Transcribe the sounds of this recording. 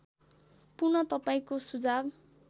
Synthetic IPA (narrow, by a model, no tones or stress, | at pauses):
purnʌt̪ʌpaĩkosud͡zab